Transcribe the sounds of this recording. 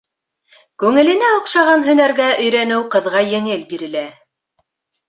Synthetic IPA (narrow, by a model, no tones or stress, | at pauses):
kʉŋɘ̆lɘ̆næoqʃɑʁɑnɦɵ̆næɾɡæʔɵ̆jɾænɘwqɤ̆ðʁɑjɘ̆ŋɘlbiɾɘ̆læ